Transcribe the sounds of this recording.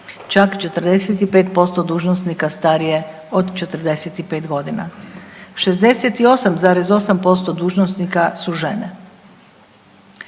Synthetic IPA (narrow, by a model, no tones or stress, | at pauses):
t͡ʃakt͡ʃe̞t̪r̩d̪eset̪ipeːt̪po̞st̪od̪uːʒnosnikast̪aɾije̞ | od̪t͡ʃe̞t̪ərd̪e̞set̪ipeːt̪ɡo̞d̪ina̰ | ʃezd̪e̞set̪io̞samzaːɾezo̞sampo̞st̪o̞d̪uːʒnosnikasuʒe̞ne